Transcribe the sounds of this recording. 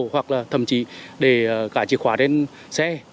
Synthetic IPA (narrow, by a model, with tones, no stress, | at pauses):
hwa˨˩k̚laː˨˩t̪ʰə˨˩mt͡ɕḭ˧˨ɗe˧˩˨kaː˧˩t͡ɕḭ˨˦kxwaː˧˦te˧n | sɛ˧